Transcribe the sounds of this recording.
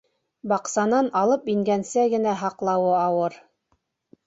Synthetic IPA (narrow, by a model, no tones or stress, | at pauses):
bɑqsɑnɑnɑlˠɤpiŋɡænsæɡɘ̆næɦɑqlˠɑwɤɑwɤɾ